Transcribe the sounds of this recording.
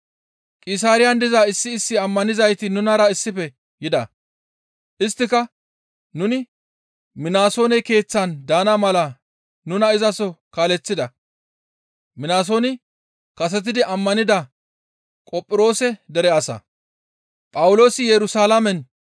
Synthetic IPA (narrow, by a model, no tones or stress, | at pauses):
kʼɪs̬aːɾɪjɐnd̪ɪzaːɪsːɪːsːɪɐmːɐnɪzɐjt̪ɪnʊnɐɾɐɪsːɪpɛ | jɪd̪ɐ | ʔɪst̪ːɪkɐ | nʊnɪ | mɪnaːso̞ːnɛke̞ːt͡sːɐnd̪aːnɐmɐlɐ | nʊnɐɪzɐsɔkaːlɛt͡sːɪd̪ɐ | mɪnaːs̬o̞ːnɪ | kɐs̬ɛt̪̬ɪd̪ɪʔɐmːɐnɪd̪ɐ | kʼɔpʼːɪɾo̞ːsɛd̪ɛɾɛɐsɐ̰ | pʼɐwʊlo̞ːsɪjɛɾʊsaːlɐmɛn